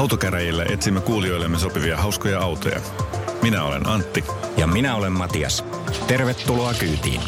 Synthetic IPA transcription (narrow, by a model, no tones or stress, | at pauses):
ɑwt̪okæɾæjilːæʔe̞t̪simːekuːlio̞jlːe̞mːeso̞piʋiɑɦɑwskojɑɑwt̪o̰jɑ̰ | minæo̞le̞̰nɑnt̪ːijɑminæo̞le̞mmɑt̪iɑ̰s | t̪e̞rʋet̪ːuloɑkyːt̪ḭːn